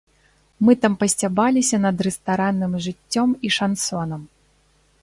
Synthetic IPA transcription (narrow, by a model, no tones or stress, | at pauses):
mɨt̪ampɐsʲt͡sʲabalʲisʲɐnɐd̪rɛst̪aɾanːɨmʐɨt͡sʲːɔmiʂansɔnɐm